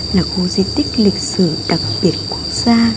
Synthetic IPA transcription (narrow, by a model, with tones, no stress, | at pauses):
laː˨˩xo˧zi˧t̪ï˦˥k̟̚lï˨˩k̚sɨ̰˧˩ɗə˨˩p̚ɓi˨˩ət̚ku˦˥ək̚z̥aː˧